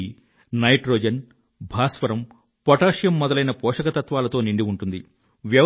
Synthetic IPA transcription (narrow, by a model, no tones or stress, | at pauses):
nɐjʈɾoːd͡ʒɐn | bʱaːsʋɐɾɐm | pɔʈaːʂjɐmːɔd̪ɐlɐjnɐpɔːʂɐkɐt̪ɐt̪ʋaːlɐt̪o̞ːniɳɖiuɳʈund̪i | ʋjɐʋ